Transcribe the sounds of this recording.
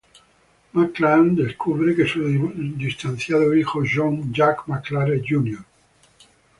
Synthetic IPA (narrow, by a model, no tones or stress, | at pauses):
makland̪eskuβɾekesud̪ist̪anθjaðoixoʒoŋd͡ʒakmaklaɾeʝunjoɾ